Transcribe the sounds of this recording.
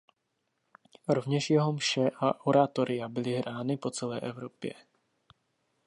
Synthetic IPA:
ɾovɲɛʃjɛɦomʃɛʔaʔoɾat̪oɾɪjabɪlɪɦɾʔaːnɪpot͡sɛlɛːʔɛvɾopjɛ̰

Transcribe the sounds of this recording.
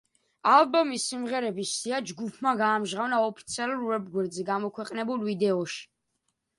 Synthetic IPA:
albɔmisːimʁɛɾɛbisiad͡ʒɡupʰmaɡaːmʒʁavnaɔpʰit̪sʰialuɾvɛb̚ɡwɛɾd̪zɛɡamɔkʰwɛqʼnɛbulvid̪ɛɔʃi̥

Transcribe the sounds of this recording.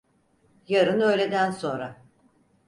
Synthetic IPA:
jaɾɯnø̞jlʲe̞d̪ænso̞nɾa

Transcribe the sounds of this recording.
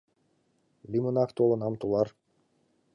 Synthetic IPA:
lʲimunakt̪olˠɤnɑmt̪ulˠɑɾ

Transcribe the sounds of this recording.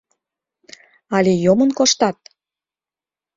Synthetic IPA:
ɑlʲejomənkoʃt̪ɑt̪̚

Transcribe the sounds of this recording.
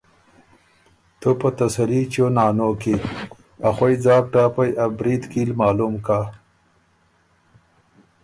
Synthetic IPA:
t̪opɐt̪ɐsɐɾit͡ɕonaːnoki | axojd͡zɑːk̚ʈaːpajʔabɾid̪kiːlmaːlumka

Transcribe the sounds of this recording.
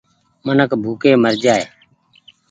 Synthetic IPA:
mənəkbʱuːkeːməɾd͡ʒaːeː

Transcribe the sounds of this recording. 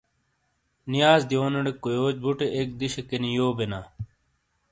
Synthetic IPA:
nijaːzd̪ijoːnɐɽekːojoːt͡ɕbuʈeʔek̚d̪iɕekenijoːbenaː

